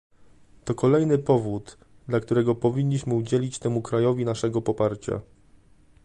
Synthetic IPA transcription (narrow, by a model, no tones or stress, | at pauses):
t̪ɔkɔlɛjnɘpɔvud̪ | d̪lakt̪uɾɛɡɔpɔvʲiɲʲːiɕmɘud͡ʑelʲit͡ɕt̪ɛmukɾajɔvʲinaʂɛɡɔpɔpaɾt͡ɕa̰